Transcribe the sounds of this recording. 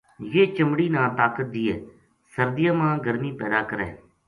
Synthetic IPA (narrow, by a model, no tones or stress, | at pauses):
jeːt͡ʃəmɽiːnãːt̪aːkət̪̚d̪iːeː | səɾd̪ɪjaːmãːɡəɾmiːpɛːd̪aːkəɾɛ̰ː